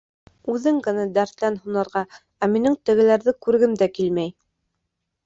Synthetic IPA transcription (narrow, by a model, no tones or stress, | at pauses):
ʉðɘŋɡɤ̆næd̪æɾt̪lænhunɑ̆ɾʁɑ | æminɘŋt̪ɘ̆ɡɘ̆læɾðɘkʉɾɡɘmd̪ækilmæj